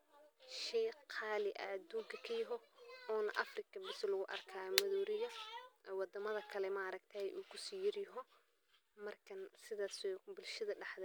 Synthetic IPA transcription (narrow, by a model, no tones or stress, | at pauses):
ʃiːqʰɑːlɪʔɐ̰ːd̪uːŋkʰɐkʰɐjɐɦɔɔːnɐ̰ʔɐfrɪkʰɐbɪslɐɣʊʔɐ̰rkʰaːjmɐðuːɾɪjɐɛwɑd̪ɐmɐðɐkʰɐlɛmɐɾɐk̚t̪ʰɛɛjʔuːkʰʊsiːjɪrjɐɦɔ | mɐrkʰɐnsɪðaːsɛbɪlʃɐðɐɖɑħd̪ɛ